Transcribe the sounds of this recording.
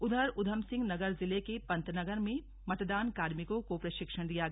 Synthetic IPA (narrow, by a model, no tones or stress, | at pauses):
ʊd̪ʱəɾʊd̪ʱəmsɪ̃ŋɡnɐɡəɾzɪlekepɐ̃nt̪nɐɡəɾmẽ | mɐt̪d̪aːnkaːɾmɪkõkopɾɐʃɪkʃəɽ̃d̪ijaɡ